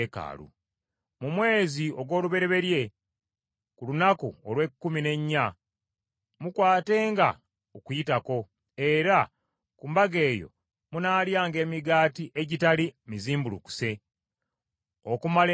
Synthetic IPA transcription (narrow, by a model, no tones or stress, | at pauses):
eka̰ːlṵ | mumwe̞ːzio̞ɡwo̞ːluβe̞ɾe̞βe̞ɾje̞ | kulunakuolwe̞kːumine̞ɲːa | mukwaːte̞ːŋɡa̰ | okujitako̞ | e̞ɾa | kumbaɡe̞ːjo̞̰ | munaːljaːŋɡe̞ːmiɡaːtiʔe̞ɟitalimiziːmbulṵku̥se̞ | o̞̰kumale